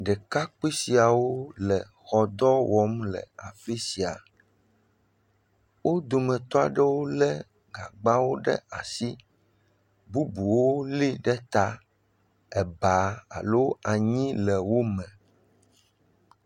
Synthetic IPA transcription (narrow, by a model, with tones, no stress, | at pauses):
ɖɛ˨ka˦k͡pe˦si˨a˨wo˦lɛ˨ | xɔ˨d̪ɔ˦wɔ˦mlɛ̰˨a˨fe˦si˨a˨ | wo˦d̪o˨mɛ̃˨t̪ɔ˦a̰˨ɖɛ˦wo˦lɛ˦ | ɡa̰˨ɡ͡ba˦wo˦ɖɛ̰˦a̰˨si˦ | bu˦bu˨wo˦li˦ɖɛ˦t̪a˦ | ɛ˨ba˨˦a̰˨lo˦a˨ɲĩ˦lɛ˨wo˦mɛ̃˨